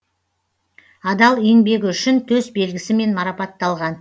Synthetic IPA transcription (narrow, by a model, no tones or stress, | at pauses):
ɑd̪ɑlˠeŋbe̞ɡʲɪʏʃɪnt̪ʰɵzbe̞lɡʲɪsɪme̞nmɑɾɑpɑt̪ːɑlˠʁɑn